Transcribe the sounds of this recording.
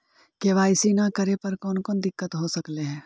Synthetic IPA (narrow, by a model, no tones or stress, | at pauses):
keʋaːɪsiːnakɐɾepɐɾkɔːnkɔːnd̪ɪkːət̪ɦosɐkleɦɛ̃ː